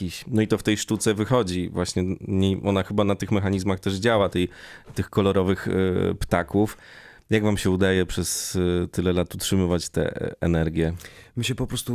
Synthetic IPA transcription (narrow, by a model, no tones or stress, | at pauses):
iɕnɔit̪ɔft̪ɛjʂt̪ut̪sɛvɘxɔd͡ʑivwaɕɲɛɲeʔɔnaxɘbanat̪ɘxmɛxaɲizmaxt̪ɛʐd͡ʑawat̪ɛjt̪ɘxkɔlɔɾɔvɘxpt̪akuf | jaɡvamɕɛud̪ajɛpʂɛst̪ɘlɛlat̪utʂɘmɘvat͡ɕt̪ɛ̰ɛ̰nɛɾɡʲjɛmɘɕɛpɔpɾɔst̪u